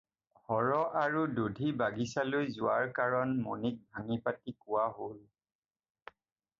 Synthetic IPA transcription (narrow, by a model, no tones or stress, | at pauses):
hɔɹɔʔaɹududʱibaɡisalojzʊwaɹkaɹɔnmonik̚bʱaŋipatikʊwaɦol